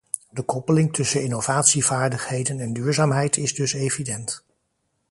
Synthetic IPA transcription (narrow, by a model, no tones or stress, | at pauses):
dəkɔpəlɪŋtɵsənɪnovaːtsivaːɹdəχɦejdənɛndyːɹzaːmɦɛjtɪzdɵsejvidɛnt